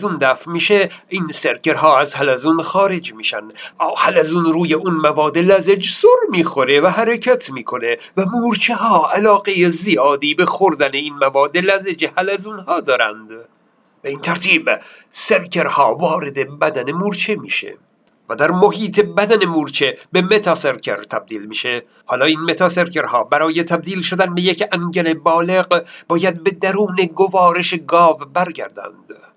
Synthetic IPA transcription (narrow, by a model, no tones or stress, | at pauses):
zund̪æfmiːʃeinseɾcʰe̞ɾɦɒːæzhælæzunxɒːɾe̞d͡ʒmiːʃæ̰nd̪ʔɒːhælæzunɾuːjeunmævɒːd̪elæzed͡ʒsoɾmiːxo̞ɾe̞væɦæɾecʰæt̪ʰmiːkʰo̞ne̞ | væmuːɾt͡ʃʰeɦɒːælɒːɡe̞jezijɒːd̪iːbexoɾd̪æneinmævɒːd̪elæzed͡ʒehælæzunhɒːd̪ɒːɾæ̰nd̪ | b̥eiːnt̪ʰæɾt̪ʰiːbse̞ɾkʲʰe̞ɾhɒːvɒːɾe̞d̪e̞bæd̪æne̞muɾt͡ʃʰemiːʃḛ | væd̪æɾmoɦiːt̪ʰe̞bæd̪æne̞muɾt͡ʃʰe̞be̞me̞t̪ʰɒseɾcʰḛɾt̪ʰæb̚d̪iːlmiːʃe̞ | hɒːlɒːiːnme̞t̪ʰɑse̞ɾkʰe̞ɾhɒːbæɾɒːjet̪ʰæb̚d̪iːlʃod̪ænbejekæŋɟele̞bɒːle̞ɢb̥ɒːjæd̪̚be̞d̪æɾuːne̞ɡovɒːɾe̞ʃeɡɒːvbæɾɡæ̰ɾd̪æ̰nd̪̥